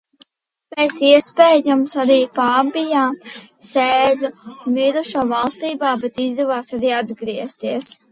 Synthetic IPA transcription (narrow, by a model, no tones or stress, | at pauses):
meːsiɛspeːjamsaɾiːpaːbijaːseːlʲumiɾuʃɔvɑlˠst̪iːbaːbɛt̪izd̪ɛvaːsaɾiːad̪ɡɾiɛst̪iːs